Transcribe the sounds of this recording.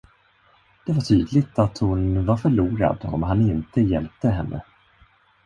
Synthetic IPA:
d̪̥ɛvaʈʰyːd̪lɪt̪at̪hʊnvaɾfœɭuːɾa̰d̪ɔ̰mɦanɪnt̪əjɛlp̚t̪əɦɛnːʔə̰

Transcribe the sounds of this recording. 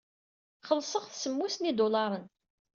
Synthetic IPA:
χəlsˤəʁθsəmːusnid̪olɑɾˤən

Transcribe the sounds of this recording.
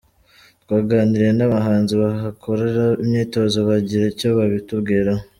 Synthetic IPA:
tɡwaːɡaːniɾɾe̞naβaɦaːnziβaɦakʰo̞ɾe̞ɾaimɲiːto̞zoβaɟiɾecoβaβitubɡiːɾa

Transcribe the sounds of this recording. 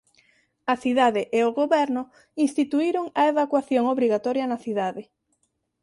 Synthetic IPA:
ɐθiðaðɪʔeoɣoβɛɾnʊ | inst̪it̪uiɾʊŋɐeβakwaθjoŋoβɾiɣat̪ɔɾjɐnɐθiðaðɪ

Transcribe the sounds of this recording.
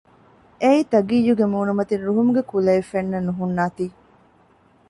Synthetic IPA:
eiːt̪ɐɡiːjːuɡemuːnumɐt̪inɾuɦumuɡekulɐefenːɐnːuɦunːaːt̪iː

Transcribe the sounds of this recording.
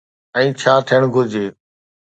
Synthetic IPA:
ɛ̃ːt͡ʃʰaːt̪ʰijəɳ̃ɡʱʊd͡ʑʱeː

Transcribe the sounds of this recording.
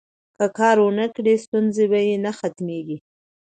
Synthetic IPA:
kəkɑɾwənakɽest̪unzebajenaxat̪meɡi

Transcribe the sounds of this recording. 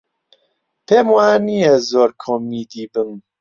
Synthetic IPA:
pʰeːmwaːnijezoːɾkʰoːmiːd̪iːbɨm

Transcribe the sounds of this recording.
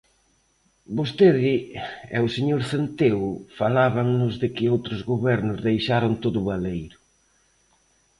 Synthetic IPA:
bost̪eðɪɛʊseɲoɾθent̪eʊfalaβaŋnʊzðɪkɪowt̪ɾʊzɣoβɛɾnʊzðejʃaɾʊnt̪oðʊβalejɾʊ

